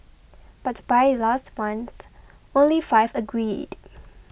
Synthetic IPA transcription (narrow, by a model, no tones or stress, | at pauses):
b̥atb̥aɪlastmãnθ | õnlifaɪvəɡɹid̥